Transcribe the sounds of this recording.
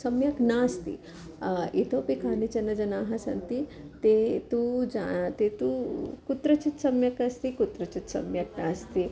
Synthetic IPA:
sɐmjɐknaːst̪ḭ | it̪ʰopikaːnit͡ʃɐnɐd͡ʒɐnaːɦɐsɐ̰nt̪i | t̪et̪ud͡ʒa̰t̪et̪ukut̪ɾɐt͡ʃit̪sɐmjɐkɐst̪ikut̪ɾɐt͡ʃit̪sɐ̰mjɐknaːst̪i

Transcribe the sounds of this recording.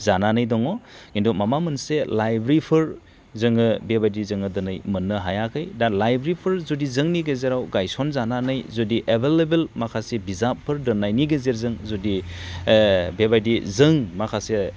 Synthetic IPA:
zananɯjdɔŋɔkindumamamɯnselajbɾipʰɯɾ | zɯŋɯbebajdizɯŋɯdɯnɯjmɯnːɯɦajakʰɯjdalajbɾipʰɯɾzudizɯŋniɡezeɾawɡajsɔnzananɯjzɔdiʔebʱelebelmakʰasebizapʰːɯɾdɯnajniɡezeɾzɯŋzudi | bebajdizɯŋmakʰase

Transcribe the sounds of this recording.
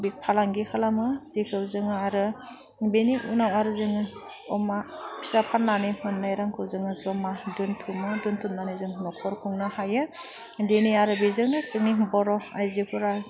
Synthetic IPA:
bipʰalaŋɡihʰalamɯbikʰɯwzɯŋaaɾɯ | beniʔṵnawaɾɯzɯŋɯ | ɔmaisapʰanːanimɯnːajɾaŋkʰɯwzɯŋɯzɔmadɯntʰumɯduntʰumnanizɯŋnɔkʰɔɾkʰuŋnɯhajɯ | deniaɾɯbizɯŋɯsɯŋnibɔɾɔajzikʰuɾa

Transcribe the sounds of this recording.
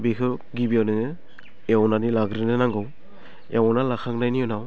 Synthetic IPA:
bekʰɯɡibijawnɯŋɯ | ewnanilaɡɾinɯnaŋɡɯw | ewnalakʰak̚najniɔnaw

